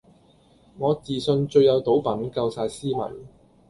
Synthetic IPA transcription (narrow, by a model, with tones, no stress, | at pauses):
ŋɔː˨˧t͡siː˨sɵ˧nt͡ʃɵ˧ɥjɐ˨˧wt̪o˨˥wpɐ˨˥nkɐ˧wsaː˧jsiː˥mɐ̰˨˩n